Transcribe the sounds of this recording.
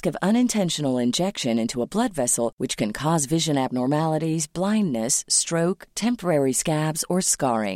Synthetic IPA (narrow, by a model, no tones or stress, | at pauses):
kʌvʌ̃nɨ̃ntʰɛ̃nʃɨnl̩ˠɪ̃nd͡ʒɛkʃɨ̃nɪ̃ntʰuəblʌdvɛsl̩ˠwɨt͡ʃkʰɨ̃nkʰɔzvɪʒɨ̃næb̚nɔɹmælˠəɾizblãɪ̃ndːɨstɹ̥oʊktʰɛ̃mpə˞ɛɹiskæbzə˞skɑɹɪ̰̃ŋ